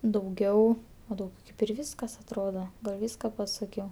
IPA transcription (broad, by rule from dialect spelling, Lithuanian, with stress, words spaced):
dɐʊˈɡʲɛʊ oː dɐʊˈɡʲɛʊ kɐɪp ɪr ˈʋʲiːskɐs ɐtˈroːdɐ ˈʋʲiːskɐ pɐˈsɑːkʲɛʊ